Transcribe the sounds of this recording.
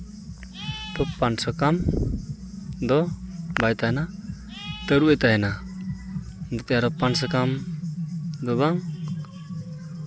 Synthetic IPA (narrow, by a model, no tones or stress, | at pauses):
t̪ɔpansɔkam | d̪ɔbajt̪aɦɛna | t̪əɾuɛt̪aɦɛna | d̪ɔt̪jaɾɔpansɔkam | d̪ɔβaŋ